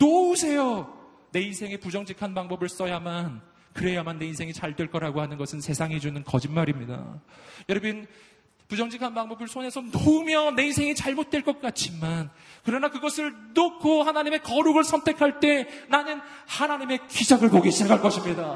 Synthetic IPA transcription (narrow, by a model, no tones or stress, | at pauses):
nousʰe̞jo | ne̞insʰe̞ŋipud͡ʑʌŋd͡ʑikʰanpaŋbʌbɯɭs͈ʌjaman | kɯɾe̞jamanːe̞insʰe̞ŋit͡ɕaɭdweɭk͈ʌɾaɡohanɯnɡʌsʰɯnsʰe̞sʰaŋɦed͡ʑunɯnkʌd͡ʑinmaɾimɲida̰jʌɾʌbin | pud͡ʑʌŋd͡ʑikʰanpaŋbʌbɯɭsʰone̞sʰʌnomjʌne̞insʰe̞ŋit͡ɕaɭmot̚t͈we̞ɭk͈ʌk̚k͈at͡ɕ͈ʰimankɯɾʌnakɯɡʌsʰɯɭnokʰohanaɲime̞kʌɾuɡɯɭsʰʌntʰe̞kʰaɭt͈e̞nanɯnhanaɲime̞kid͡ʑaɡɯɭkoɡeɕʰiakaɭk͈ʌɕʰimɲida